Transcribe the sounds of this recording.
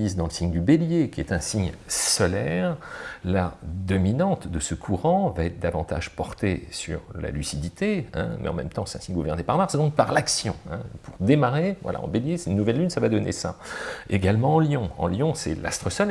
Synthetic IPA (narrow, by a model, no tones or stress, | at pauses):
izd̪ɑ̃ləsiɲd̪ybeljekʲiɛt̪ɛ̃siɲsɔlɛʁlad̪ɔminɑ̃t̪d̪əsəkʰuʁɑ̃vaɛt̪χd̪avɑ̃t̪a̰ʒpɔʁt̪esy̰ʁla̰lysid̪it̪ʰeɛ̰̃mɛ̰ɑ̰̃mɛmt̪ɑ̃sɛt̪ɛ̃siɲəɡuvɛʁnepaʁmaʁsd̪ɔ̃k̚paʁlaksjɔ̃ɛ̰̃pʰuʁd̪emaʁevwa̰lʔa̰ɑ̰̃beljesɛnnuvɛlːynsavad̪ɔnḛsa̰eɡalmɑ̃ɑ̃ljɔ̃ɑ̰̃ljɔ̃sɛ̰la̰st̪χəsɔl